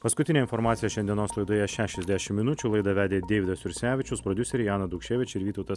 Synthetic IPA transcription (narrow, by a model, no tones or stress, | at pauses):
pɐskʊt̪ʲɪnʲeːɪnfɔɾmɑːt̪sʲijɛʃʲɛnʲd̪ʲiɛnoːslˠɐɪd̪oːjɛʃʲæːʃʲɛzʲd̪ʲæʃʲɪmmʲɪnʊt͡ʃʲuːlˠɐɪd̪ɐʋʲæːd̪ʲeːd̪ʲeːʋʲɪd̪ɐsʋʲɪɾʲsʲæːʋʲɪt͡ʃʲʊspɾɔd̪ʲʊsʲɛɾʲɪjɑːnɐd̪ʊkʃʲeːʋʲɪt͡ʃʲɪɾʋʲiːt̪ɐʊt̪ɐs